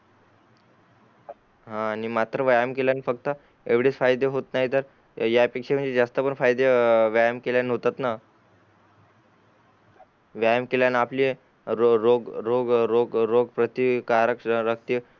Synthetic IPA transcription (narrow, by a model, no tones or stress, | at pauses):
ɦãñimat̪ɾəʋajmkeljanifəkt̪ə | eʋɽit͡sfajd̪eɦot̪naɦit̪əɾ | japekʂem̤əɳd͡zed͡zast̪əpəɳfajd̪eʋjajəmkeljanɦot̪at̪na | ʋjajəmkeljanaplie | ɾɾoɡɾoɡɾoɡɾoɡpɾət̪ikaɾəkɾək̚ʰt̪i